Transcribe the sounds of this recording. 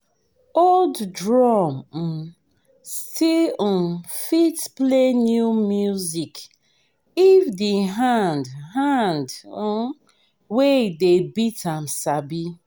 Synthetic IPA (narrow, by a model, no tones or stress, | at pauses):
olddɹɔm̩ | stĩ | fitplenjumjuzik | ifdiɦãndhand̩ | wedebitamsabi